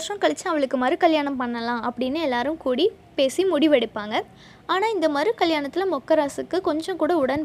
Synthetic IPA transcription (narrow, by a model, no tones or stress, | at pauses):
ɐʈɾɐ̃kɐɭɐɪt͡ʃːɯɐʋɐɭɯkːɯmaɐːɾikɐljaːɳɐmpɐɳːɐlãːʔɐpːɐɽɪnːɯɛlːaːɾɯmkuːɽi | peːsimʊɽɪʋɐɽɪpːaːŋɡɐ | aːnaːɪnd̪ɐmaːdɾikɐɭjaːɳɐt̪ːɪlɐmɔkːɐɾaːsɯkːɯkɔɲd͡ʒɔ̃kuːɽɐʊɽɐn